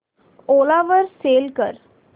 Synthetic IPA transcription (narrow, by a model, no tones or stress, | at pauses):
olaʋəɾselkəɾ